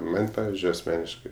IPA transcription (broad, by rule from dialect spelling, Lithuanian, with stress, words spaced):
ˈmɐnʲ ˈpɑːʋʲɪzʲd͡ʒʲʊɪ ɐsʲˈmʲæːnʲɪʃkɐɪ